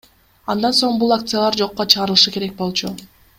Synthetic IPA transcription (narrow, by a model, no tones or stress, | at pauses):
ɑnd̪ɑnso̞ɴbulˠak̚t̪sɨjalˠɑɾd͡ʒo̞qːot͡ʃʰɯʁɑɾɯlˠɯʃɯke̞ɾe̞k̚bo̞lˠt͡ʃʰu